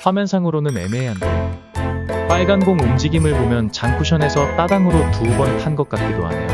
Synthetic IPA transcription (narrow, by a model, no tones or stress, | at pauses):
ɸwamjʌnsʰaŋɯɾonɯne̞̰meɦandʌ̰ | p͈aɭɡanɡoŋumd͡ʑiɡimɯɭbomjʌnt͡ɕaŋkʰuɕʰʌne̞sʰʌt͈adaŋɯɾotubʌnpʰanɡʌk͈̚at̚k͈idoɦa̰nḛ